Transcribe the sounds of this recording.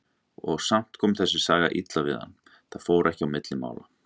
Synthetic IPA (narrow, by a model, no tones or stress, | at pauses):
ɔɣsam̥t̪kʰɔːmθɛsːɪ̥saːɣa̰ʔit̪lavɪ̰ðha̰nː | θaðfoːwɾʔɛhcɪawmɪt̪lɪma̰ːwla̰